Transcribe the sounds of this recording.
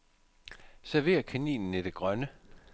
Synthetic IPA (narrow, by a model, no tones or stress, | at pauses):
sæɐʋe̝̰ːɐkʰænḭːnn̩id̥e̝ɡ̥ʁɶnə